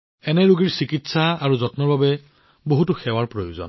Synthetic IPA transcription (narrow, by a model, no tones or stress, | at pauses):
ɛnɛɹuɡiɹsikitsaaɹuzɔtnɔɹbabɛ | boɦutʊxɛwaɹpɹojuzɔ̰n